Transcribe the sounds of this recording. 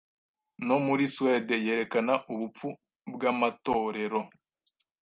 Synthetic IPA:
no̞muɾiswedeje̞ːɾe̞kanaʔuβup͡fu | bɡamato̞ːɾe̞ɾo̞

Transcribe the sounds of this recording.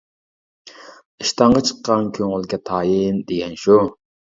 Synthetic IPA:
iʃt̪ɑɴʁɑt͡ʃʰə̥qːɑnkʲʰøŋylɡʲɛt̪ʰɑːjind̪eɡʲɛnʃu

